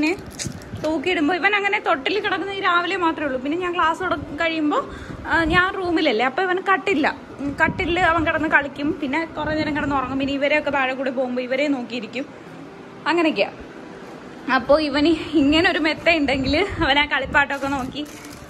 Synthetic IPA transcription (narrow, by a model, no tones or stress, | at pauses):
ne | t̪oːkːijeɽumbo̞ːiʋɐnɐŋːɐne̞t̪o̞ʈːilkiɽɐkːunːɐiːɾaːʋilemaːt̪rɐmuɭːupinːe̞ɲaːŋkɭaːsuɽɐkɐɻijumbo̞ː | ɲaːnruːmilɐlːeɐpːoːiʋɐnkɐʈːilːɐ | kɐʈːilɐʋɐnkiɽɐnːɨkɐɭikʲːumpinːe̞kurɐnːeɾɐŋkiɽɐnːɨpɐrɐŋːumpinːeiʋɐɾe̞jo̞kːet̪aːɻɐkuːɽep̬o̞ːɣumboːiʋɐɾeno̞ːkːijiɾikʲːum | ɐŋːɐnekʲːia̰ | ɐpːo̞ːiʋɐniŋːɐneo̞ɾumet̪ːejuɳɖe̞ŋɡilɐʋɐnaːkɐɭipːaːjʈːo̞kːe̞no̞ːkːi